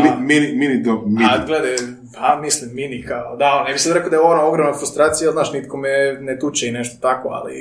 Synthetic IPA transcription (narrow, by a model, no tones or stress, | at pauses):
miminiminid̪omid̪ɡled̪aj | hamislimːinikaod̪aonnebixsad̪ɾekod̪ajeoonaoɡɾomnafɾust̪ɾaːt̪sijaznaːʃnit̪komɛnet̪ut͡ʃeineʃt̪ot̪akoa̰lḭ